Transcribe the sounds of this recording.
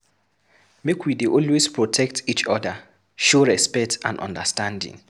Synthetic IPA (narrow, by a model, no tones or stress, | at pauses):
mekʰwideʔɔlwespʰɹɔtʰɛk̚tʰit͡ʃɔdə | ʃɔɹɛspɛtã̰ndɔ̰̃ndəstãndḭ̃ŋ